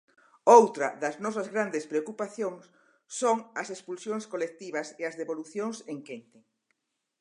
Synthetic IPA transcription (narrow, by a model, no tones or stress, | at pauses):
owt̪ɾɐ̰ðɐznɔs̬ɐzɣɾand̪espɾeokupaθjoŋsː | oŋɐsespulsjoŋskolek̚t̪iβɐseɐzðeβoluθjoŋseŋkent̪e